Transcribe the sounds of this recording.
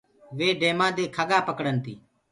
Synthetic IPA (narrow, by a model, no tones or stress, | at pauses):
ʋeːɖeːmãːd̪eːkʰəɠaːpəkɽənt̪iː